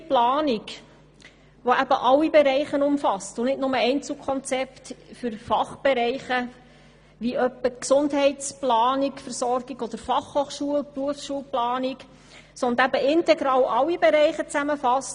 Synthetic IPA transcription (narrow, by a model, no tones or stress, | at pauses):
plɑːnik | ʋoæb̥əʔɑlːibeɾɛɪχənʊmfɑstʊnɪtnʊməɛɪnt͡sl̩kʰɔnt͡sɛptfʏɾfɑχb̥ɛɾɛɪχə | ʋiœpːəksʊndɦɛɪtt͡splɑːnikfəɾsɔɾɡ̥iɡɔd̥əɾfɑχhoːχʃuəlpruəfsʃuəlplɑːnik | sɔndəæbəɪntɛɡɾɑːlʔɑwːibeɾɛɪχət͡sæməfɑst